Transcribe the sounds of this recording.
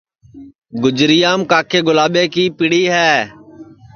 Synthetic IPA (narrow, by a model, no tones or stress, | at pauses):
ɡʊd͡ʒɾɪjaːmkaːkʰeːɡʊlaːɓeːkiːpɪɽiːɦɛː